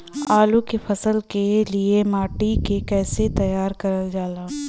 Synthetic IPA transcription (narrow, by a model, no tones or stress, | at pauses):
aːlukefʰɐsəlkeliemaːʈikekɛːset̪ɐjaːɾkɐɾəld͡ʒaːlaː